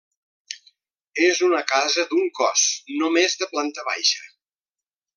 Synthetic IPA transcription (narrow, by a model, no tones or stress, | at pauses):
ezunəkazəd̪uŋkɔ̰snomezðəplant̪əβa̰jʃə